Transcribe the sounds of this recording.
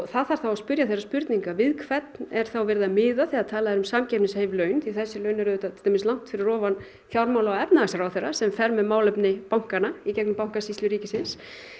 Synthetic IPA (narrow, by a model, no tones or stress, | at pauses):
ɣθaðθaɾ̥θawaspʏɾjaθesrːaspʏɾt̪niŋkavɪðkʰvɛt̪nɛɾ̥θawvɛɾðamɪːðaθɛat̪ʰaːlaðɾʏmsaːmcɛpnɪshejvlœɥnθiθɛsːɪlœːɥnɛɾðʏːt̪at̪ʰɪ̥lʰemɪstlawŋ̥t̪fɪɾɪrɔːvan | θjawɾmawlaɛpnaasaɾawθɛjrːasɛmfɛɾmɛmaːwlɛpnɪpawŋ̥kanaicɛknʏmpawŋ̥kasist̪lʏɾiːcɪsɪns